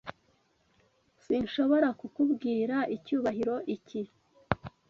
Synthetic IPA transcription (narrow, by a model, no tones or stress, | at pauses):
siɲʃo̞βo̞ɾakukubɡiːɾaʔicuːβaɦiɾo̞ʔici